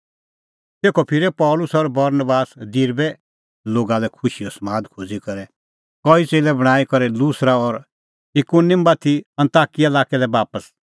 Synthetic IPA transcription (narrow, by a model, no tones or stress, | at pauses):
t̪eːkʰɔpʰɪɾɛpɔːlʊsɔɾbɐɾnəbaːsd̪iɾbɛ | loːɡalɛkʰʊʃiɔsmaːd̪kʰoːd͡zikɐɾɛ | kɔit͡seːlɛbɐɽ̃aːikɐɾɛlusɾaɔɾ | ɪkunɪmbat̪ʰːiɐ̃nt̪aːkielaːkɛlɛbaːpəs